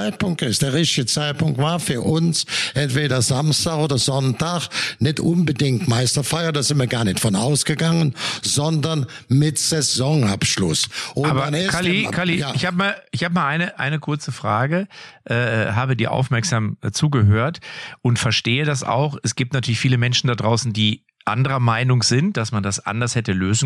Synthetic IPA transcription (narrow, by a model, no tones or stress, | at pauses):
aɪt̚pʰʊŋk̚tɪstd̥eːɐʁɪçtɪɡət͡saɪt̚pʊŋk̚tv̥aːɐfyːɐʔʊnsʔɛntv̥eːɾɐzamstaːxoːdɐzɔntaxnɪtʔʊnbədɪŋtmaɪstɐfaɪɐdaːzɪ̃ntviɐɡaːɐnɪçtfɔnʔa̰ʊsɡ̥əɡaŋənzɔndɐn | mɪtz̥ɛzɔŋa̰pʃlʊsʔoaːbɐnkʰalikʰaliɪçhaːbəmaːlɪçhaːbəmaːlʔaɪnəʔa̰ɪnəkʰʊɐt͡səfʁ̥aːɡəʔɛːɦaːbədiːɐʔa̰ʊfmɛɐkz̥aːmdat͡suːɡəɦøːɐtʔʊntfɛɐʃteːədasʔa̰ʊxɛsɡ̥iːp̚tnatʰyːɐlɪçfiːləmɛnʃn̩dadʁaʊsn̩diː | ʔandəʁɐmaɪnʊŋz̥ɪnt̚d̥asmandasʔa̰ndɐshɛtəløːzn̩